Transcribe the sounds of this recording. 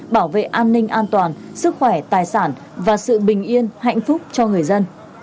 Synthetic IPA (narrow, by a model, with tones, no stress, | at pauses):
ɓaː˧˩wvḛ˧˨ʔaː˧nːï˧ŋ̟ʔaː˧nt̪waː˨˩nsɨ˦˥k̚xwɛ˧˩t̪aː˨˩jsaː˧˩n | vaː˨˩sɨ̰˧˨ɓï˨˩ŋ̟ʔi˧ənha̰˧˨jŋ̟fʊ˦˥k͡p̚t͡ɕɔ˧ŋɨ˨˩əjzə˧n